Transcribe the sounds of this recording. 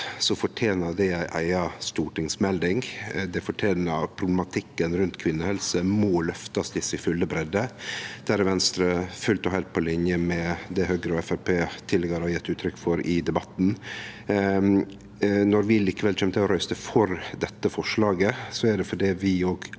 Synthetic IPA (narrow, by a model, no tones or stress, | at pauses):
sɔfɔʈʰjeːnəd̪ɛæɪʔæ̰ɪɑst̪uːʈɪŋsmɛld̪ɪŋd̪ɛfɔʈʰjeːnəpʰɾʊblɛmɑt̪ʰɪkːənɾʉnt̪kʰʋɪnːəhɛlsəmɔlœft̪ɑsd̪ɪsɪfʉlːəbɾɛd̪əd̪̥æɾɪʋɛnst̪ɾəfʉlt̪ɔhɛlt̪̚pʰɔlɪnjəmɛd̪ɛhøːɡəɾɔɛfæɾpʰeːt̪ʰɪlːɛɡəɾhɑjɛt̪ːʉːt̪ʰɾʏkfɔɾɪd̪ɛbɑt̪ːn̩ | nɔɾʋɪliːkəʋɛlc͡çʰɛmət̪ʰɪlɔɾœʏst̪əfɔɾd̪ɛt̪ːəfɔʂɭɑːɡəsɔæɖɛfɔɖiːʋɪoːɡ